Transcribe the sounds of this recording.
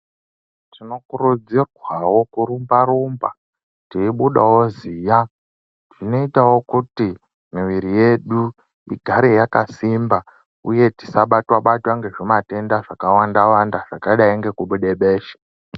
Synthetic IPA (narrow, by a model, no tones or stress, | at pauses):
tino̞kurud͡zirwawo̞kuɾumbaɾumba | tiiɓuɗawo̞zija | tino̞itawo̞kuti | miʋiɾije̞ɗu | iɡʱaɾejakasimba | ṵje̞ti̥saɓatwaɓatwaŋɡe̞ʐomate̞ndaʐakawandawandaʐakaɗaiŋɡe̞kuɓuɗeɓe̞ːʃḁ